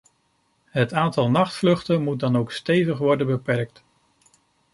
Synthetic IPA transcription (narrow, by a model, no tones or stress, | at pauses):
ɦətaːntɑlˠnɑχtflɵχtəmut̚dɑnowkstejvəχʋɔɹdəbəpɛɹk̚t